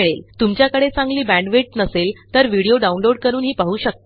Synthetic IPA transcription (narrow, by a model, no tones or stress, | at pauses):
ɭelt̪umt͡ɕjakəɽet͡sãŋɡliːbæ̃ɳɖʋeʈ̚nəselt̪əɾʋiɽioɖaunloɽ̚kəɾuːnɦiːpaɦuːɕək̚t̪